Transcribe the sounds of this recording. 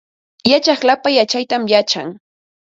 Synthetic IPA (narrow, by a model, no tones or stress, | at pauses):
jat͡ʃaχlapajat͡ʃajt̪amjat͡ʃaŋ